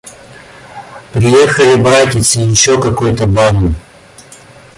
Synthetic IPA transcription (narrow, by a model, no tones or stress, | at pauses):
pɾʲɪjexəlʲɪbɾatʲɪt̪sɨjɪɕːokɐkojʊt̪əbanʊ